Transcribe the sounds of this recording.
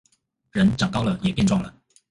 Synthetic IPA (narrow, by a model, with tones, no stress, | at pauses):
ɻə˧˥nʈ͡ʂɑ˨˩ŋkɑ˥ʊlə˨jɛ˨˩pjɛ˥˧nʈ͡ʂwɑ˥˩ŋlə̰˩